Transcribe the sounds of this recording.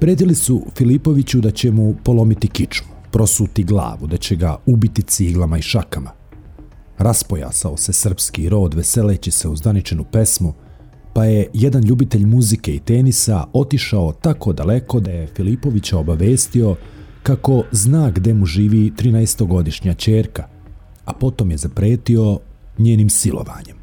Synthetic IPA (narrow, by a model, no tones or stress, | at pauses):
pɾeːd̪ilisufilipo̞ʋit͡ɕud̪at͡ɕe̞mupo̞lˠo̞mit̪ikit͡ʃmupɾo̞suːt̪iɡlˠa̰ːʋud̪at͡ɕe̞ɡa̰ubit̪it̪siːɡlˠamaiʃakama | ɾaspo̞ja̰ːsaose̞sr̩pskiɾo̞ːd̪ʋe̞se̞leːt͡ɕise̞uzd̪anit͡ʃe̞nupe̞smu | paje̞jed̪anʎuːbit̪e̞ʎmuzike̞it̪eːnisao̞t̪iʃaot̪ako̞d̪ale̞ko̞d̪aje̞filipo̞ʋit͡ɕao̞baʋe̞ːst̪io̞ | kako̞znaːɡd̪e̞muʒiːʋiːt̪ɾiːnaest̪o̞ɡo̞d̪iʃɲat͡ɕeːɾka | apo̞t̪omje̞zapɾe̞ːt̪io̞ | ɲeːniːmsilo̰ʋa̰ːɲe̞m